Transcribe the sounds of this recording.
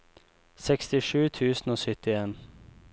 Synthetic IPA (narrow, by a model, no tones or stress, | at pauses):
sɛkst̪ɪʂʉːt̪ʰʉːsn̩oːsʏt̪ɪeːn